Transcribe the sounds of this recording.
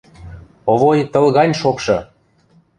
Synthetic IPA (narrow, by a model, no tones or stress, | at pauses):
oβojt̪ɤ̆lˠɣɑnʲʃokʃɤ̆